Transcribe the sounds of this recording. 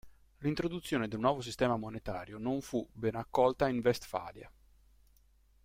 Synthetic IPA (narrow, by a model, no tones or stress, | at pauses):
lint̪ɾod̪ut̪sːjoːned̪elnwɔːvos̬ist̪ɛːmamonet̪aːɾjonoɱfubɛnakːɔlt̪aiɱvɛst̪fa̰ːlja̰